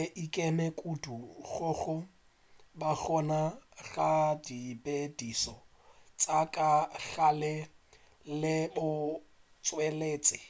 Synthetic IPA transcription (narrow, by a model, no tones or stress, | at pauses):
ʔikʼɛmɛkʼuduɣʊɣʊ | baɣɔnaɣadibedisɔ | t͡sʼakʼaɣalɪ | lɪbʊ | t͡sʼweleːt͡sʼɪ